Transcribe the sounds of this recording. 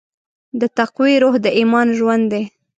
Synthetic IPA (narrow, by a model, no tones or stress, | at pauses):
d̪ət̪aqwiɾoɦd̪əʔimɑnʒwand̪dːe